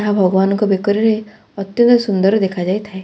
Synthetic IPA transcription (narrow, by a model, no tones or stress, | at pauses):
aɦabʱɔɡɔbanɔŋkɔbekɔɾiɾe | ɔt̪jɔnt̪ɔsund̪ɔɾɔd̪ekʰad͡ʒajt̪ʰae